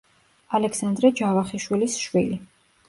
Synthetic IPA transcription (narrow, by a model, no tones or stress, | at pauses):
alɛksand̪ɾɛd͡ʒavaχiʃwilisʃwili